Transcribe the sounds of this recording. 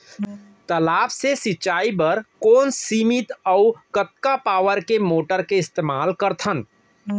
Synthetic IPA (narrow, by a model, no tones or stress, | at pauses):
t̪əlaːbsesɪt͡ʃaːibəɾkɔːnsiːmit̪əʊkət̪kapaːwəɾkemoːʈəɾkeɪst̪eːmaːlkəɾt̪ʰən